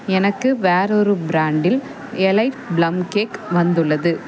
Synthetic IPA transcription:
ɛnɐkːɯʋaːɾɔɾɯbɾaːɳɖɪl | ɛlɐɪʈblɐmkeːkʋɐnd̪ɯɭːɐðɯ

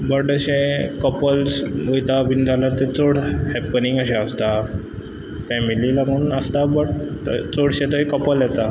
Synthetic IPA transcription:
bəʈəɕẽkəpəlsujt̪abind͡zʱalaɾt̪et͡soɽhɛpːənĩŋɡəɕãəst̪a | fɛmililaɡuːnəst̪abəʈt͡soɽɕẽt̪əɦikəpəljɛt̪a

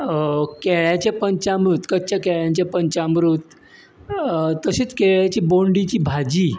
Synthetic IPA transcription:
kɛɭjat͡ɕapəɲt͡ɕamɾut̪kət͡ɕakɛɭjãɲt͡ɕjapəɲt͡ɕamɾuːt̪ | t̪ːəɕiːt͡skeɭjat͡ɕiːboɳɖit͡ɕiːbʱad͡ʑiː

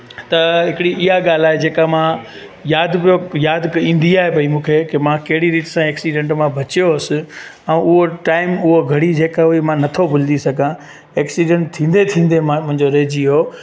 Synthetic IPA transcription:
t̪ɐɦɪkɪɽiʔɪɦaɠaːl̤aːɦed͡ʑeːkamãjaːd̪pijojaːd̪kĩːn̆d̪iaːɦepɐimũːkʰekemãkɐɦɪɽiɾiːʈsãeːksiɖɛ̃ːɳʈmãbʱɐt͡ɕijoɐsɪ | ɛ̃ːʊɦoʈaːɪmʊɦoɡʱɐɽid͡ʑeːkaʊɦemãnɐt̪ʰobʊld̪isɐɡʱã | eːksiɖɛ̃ɳʈ̚t̪ʰĩːn̆d̪et̪ʰĩːn̆d̪emãmʊ̃ɦɪ̃ɲd͡ʑoɾeːd͡ʑiɦoː

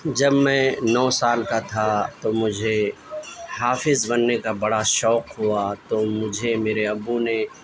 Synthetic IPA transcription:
d͡ʒɐbmɛ̃nɔːsaːlkat̪ʰat̪omʊd͡ʒʱe | ɦaːfɪzbɐnːekabɐɽaʃɔːqɦuat̪omʊd͡ʒʱemeːɾeɐbːune

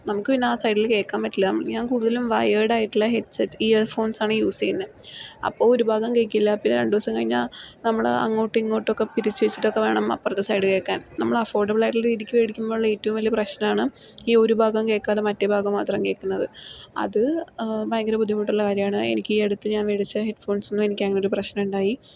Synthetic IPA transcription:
nɐmukːɨpinːaːsɐjɖilke̞ːkːaːmpɐʈːilːɐnɐmːɐɭɲaːnkuːɽuðɐlumʋɐ̰jeːɽaːjiʈːuɭːɐɦetsetːiːfo̞ːnsaːɳɨjuːsijinːɨɐ̰pːoːɭoɾubʱaːɡɐmke̞ːkʲːilːɐpinːeɾe̞ɳɖuʋɐsɐmŋkɐɻiɲːa̰ːlnɐmːɐɭɐ̰ŋːo̞ːʈːiŋːoːʈːokːepiɾit͡ɕːuʋet͡ɕːi̥ʈːo̞kːeʋe̞ːɳɐmɐ̰pːɐrɐt̪ːesɐjɖɨke̞ːkːa̰ːnnɐmːɐɭɐfo̞ːrɖɐbɨɭaːiʈːilɾiːðikʲːɨʋeɽikʲːumbo̞ːuɭːɐeːtːɐʋumʋɐlijɐprɐɕnɐmaːɳɨiːo̞ɾubʱaːɡɐmkeːkːaːðemɐtːebʱaːɡɐmːaːt̪rɐmke̞ːkːunːɐðɨɐ̰ðɨbɐjŋɡɐɾɐpud̪ʱːimaːiʈːuɭːɐkaːɾjɐmaːɳɨḛnikʲːiːeɽut̪ːɨɲaːnʋeɽit͡ɕːɐheɖfo̞ːnsonːume̞nikʲːɐŋːɐeoɾuprɐɕnɐmuɳɖaːji

